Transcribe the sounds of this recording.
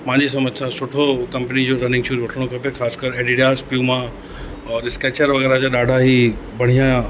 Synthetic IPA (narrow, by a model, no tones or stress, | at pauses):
mãɲd͡ʑis̬ɐməd͡ʑsãsʊʈʰokɐ̃mpnid͡ʑoɾɐnɪ̃ŋɡʃʰuːzʋɐʈʰəɽ̃okʰɐpexʰaːskəɾeɖiɖijaːspjuːmã | ɔːɾɪskeːt͡ɕəɾʋɐɣɛːɾad͡ʑaɗaːɖʱaɦibʱɐɽ̤̃ijã